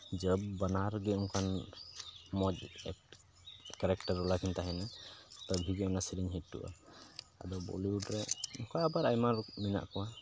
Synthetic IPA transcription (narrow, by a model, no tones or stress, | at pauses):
d͡ʒəb̚ːanaɾɡɛɔŋkʰan | mɔd͡ʒ̚ɛ̰ | kɛɾɛkʈəɾɔlakʰint̪aɦɛnat̪əbʱiɡɛɔnasiɾiɲɦitːṵʔa̰ | a̰d̪ɔbɔ̰liuɖɾɛɔŋkaabaɾajmaɾmina̰ʔkɔwa